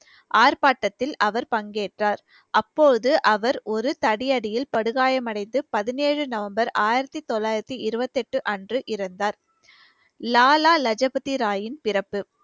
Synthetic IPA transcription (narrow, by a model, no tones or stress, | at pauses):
ʔaːɾpaːʈːɐt̪ːɪlɐʋɐɾpɐŋɡeːʈraːɾ | ʔɐpːoːðɯʔɐʋɐɾɔɾɯt̪ɐɽɪjɐɽɪjɪlpɐɽɯɣaːjɐmɐɽɐɪnd̪ɯpɐðɪneːɻɯnɐʋɐmbɐɾaːjɪɾɐt̪ːit̪ɔlːaːjɪɾɐt̪ːiɪɾɯbɐt̪ːɛʈːɯʔɐndrɯʔɪɾɐnd̪aːɾ | laːlaːlɐd͡ʒɐbɐt̪iɾaːjɪnpɪrɐpːɯ